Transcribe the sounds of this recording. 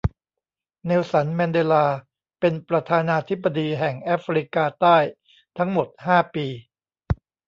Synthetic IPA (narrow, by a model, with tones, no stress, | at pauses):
neː˧wsa˩˦nmɛː˧ndeː˧laː˧ | pe˧npɾa˧t̪ʰaː˧naː˧t̪ʰi˦˥bːa˧diː˧ɦɛ˨˩ŋʔaː˦˥fɾi˦˥kaː˧t̪aː˥˩j | t̪ʰa˦˥ŋmo˨˩t̪̚haː˥˩piː˧